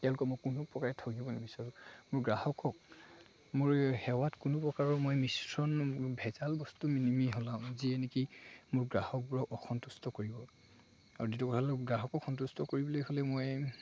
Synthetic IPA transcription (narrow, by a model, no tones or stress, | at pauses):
tɛʊ̃lʊkɔmojkunupɹɔkaɹɛtʰɔɡibɔnamisaɹumʊɹɡɹahɔkɔk̚ | mʊɹhɛwatkunupɹɔkaɹɔmojmisɹɔnbʱɛzalbɔstuminimiɦɔlaʊ̃ziɛnekimʊɹɡɹahɔk̚buɹɔkɔxʰɔntustɔkoɹibɔ | a̰ɹuditɔkɔtʰalɡɹaɦɔkɔkxʰɔntustʰɔkoɹibɔlojɦɔlɛmoj